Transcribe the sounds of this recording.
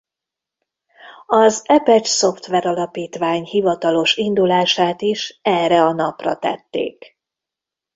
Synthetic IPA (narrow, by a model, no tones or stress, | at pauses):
ɒzɛpɛt͡ʃso̞ft̪ʋɛɾɒlɒpiːt̪ʋaːɲhivɒt̪ɒlo̞ʃind̪ulaːʃaːt̪iʃɛrɛɒnɒprɒt̪ɛ̰t̪ːḛːk